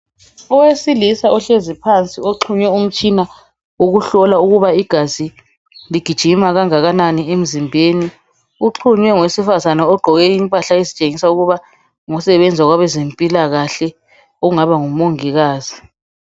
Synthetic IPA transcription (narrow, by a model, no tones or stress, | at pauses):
ɔwesilisaʔɔɬezipʰant͡sʼioǁʰuɲwɛum̩t͡ʃʼina | uɣuɬɔlauɣuβaiɡ̥ʱazi | liɡ̥ʱid̥ʒ̥ʱimaɣaŋaɣananiem̩zimbʱeːni | uǃʰuɲwɛŋwesifazanaɔɡ͡ǃʱɔɣɛimpʼaɬaezit͡ʃʼeŋisauɣuβa | ŋɔsɛβɛnd͡zʱaɣwaβɛzempʼilaɣaɬɛ | ouŋaβaŋumoŋiɣaːz̥i